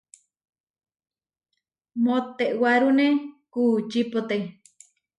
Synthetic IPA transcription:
mot̪eʔwaɾunẽkuːt͡ʃipot̪e

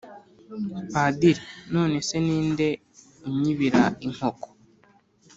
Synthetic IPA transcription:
padiɾeno̞ːne̞se̞niːnde̞ | uɲiβiɾaiŋ̥hoko̥

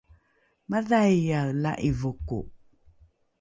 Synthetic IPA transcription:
maðajjawla̰ʔivukṵ

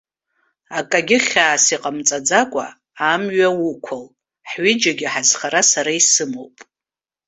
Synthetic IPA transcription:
akʼaɡʲɪχʲaːsiqʼamt͡sʼad͡zakʷʼa̰ː | mɥawukʷʰal | ħɥɪd͡ʒaɡʲɪħazχaɾasaɾaisɨmowpʼ

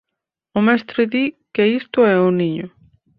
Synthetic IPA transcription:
ʊmest̪ɾɪðikeist̪ʊɛʊniɲʊ

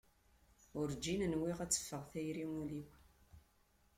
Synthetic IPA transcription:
ʊɾd͡ʒinənwiʁæt͡sːə̥fːəʁθæjɾiŋuliw

